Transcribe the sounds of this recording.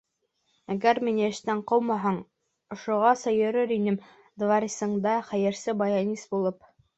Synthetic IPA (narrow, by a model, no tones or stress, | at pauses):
æɡæɾminɘɘ̆ʃt̪æɴqɤwmɑɦɑɴ | ŏʃŏʁɑsɑjɵ̆ɾɘɾinɘm | d̪vɑɾʲisɤ̆ɴd̪ɑχæjɘ̆ɾsɘbɑjɑnʲisbulˠɤp